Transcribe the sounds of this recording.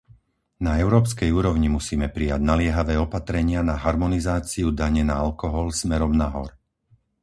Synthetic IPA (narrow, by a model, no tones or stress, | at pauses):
naɛʊɾɔːpskɛjuːɾɔʊɲimusiːmɛpɾijaɟnalɪɛɦaʋɛːɔpat̪ɾɛɲɪanaɦaɾmɔnizaːt͡siud̪aɲɛnaalkɔɦɔlsmɛɾɔmnaɦɔ̰ɾ